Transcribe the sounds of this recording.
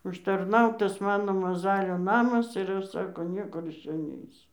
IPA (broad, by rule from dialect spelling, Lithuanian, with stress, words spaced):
ʊʃtɐrˈnɐʊtɐs ˈmɑːnoː mɐˈzɑːlʲoː ˈnɑːmɐs ɪr ˈɐʃ ˈsɑːkoː ˈnʲiɛkʊr ɪʃ ˈt͡ʃʲɛ ˈnʲɛɪsʲʊ